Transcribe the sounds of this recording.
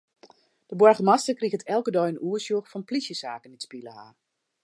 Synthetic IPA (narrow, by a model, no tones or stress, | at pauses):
d̥əbwɔrɣəmastəkriɣətʰɛlˠkədɔjənʔuəsjuxfɔnplisjəsaːkənitspilˠəha̰ːr